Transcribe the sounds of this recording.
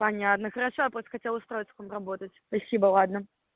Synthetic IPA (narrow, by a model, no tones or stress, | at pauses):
pɐnʲat̪nəxəɾaʂojapɾst̪ə̥xɐtʲelˠʊst̪ɾo̞ɪt̪ʲskomrɐbot̪ət͡sʲspɐsʲibəlˠad̪nə